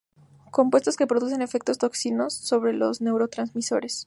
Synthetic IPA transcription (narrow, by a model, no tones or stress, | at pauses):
ko̞mpwe̞st̪oske̞pɾo̞ðus̬e̞ne̞fe̞k̚t̪o̞st̪o̞ksino̞sːo̞βɾe̞lo̞̰zne̞wɾo̞t̪ɾanzmiso̞̰ɾe̞s